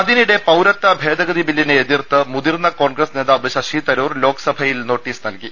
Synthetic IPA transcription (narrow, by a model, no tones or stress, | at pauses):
ɐd̪iniɽe̞pɐwɾɐt̪ːɐbʱe̞ːd̪ɐɡɐðibilːineed̪irt̪ːɨmud̪irnɐko̞ːɳɡrɐsne̞ːðaːʋɨɕɐʂit̪ɐɾuːrlo̞ːkɐ̥sɐbʱɐjilno̞ːʈːiːsnɐlki